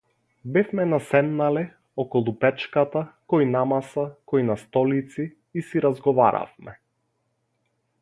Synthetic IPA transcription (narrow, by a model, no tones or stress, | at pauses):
bɛfmɛnasɛmnalɛ | ɔkɔlˠupɛt͡ʃkat̪akɔjnamasakɔjnast̪ɔlit̪siː | siɾazɡɔva̰ɾa̰fmɛ